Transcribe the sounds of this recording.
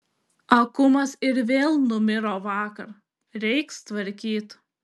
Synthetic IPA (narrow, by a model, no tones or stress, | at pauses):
ɐkʊmɐsɪɾʋʲeːlˠnʊmʲɪɾoːʋɑːkɐɾ | ɾʲɛɪkst̪ʋɐɾʲkʲiːt̪